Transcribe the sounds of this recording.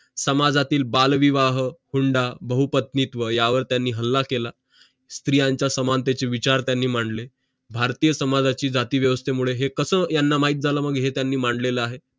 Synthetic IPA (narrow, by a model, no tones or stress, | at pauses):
səmad͡zat̪iːlbalʋiʋaɦəhuɳɖabəɦupət̪nit̪ʋəjaʋəɾt̪janːiːɦəlːakela | st̪ɾijãɲt͡ɕjasəmant̪et͡seʋit͡ɕaɾt̪janːiːm̤aɳɖle | bʱaɾt̪ijəsəmad͡zat͡ɕiːd͡zat̪iːʋjəʋəst̪ʰemuɭeɦekəsəːjanːamaɦiːt̪̚d͡zʱaləməɡɦet̪janːiːmaɳɖleləaɦe